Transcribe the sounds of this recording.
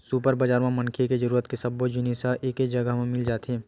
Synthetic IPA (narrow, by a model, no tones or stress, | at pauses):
supəɾbəd͡ʒaːɾmẽmɐ̃nkʰeked͡ʒɐɾuːɾət̪kesɐbːod͡ʒunisaʔeːked͡ʒɐɡəɦmẽmɪld͡ʒaːt̪eː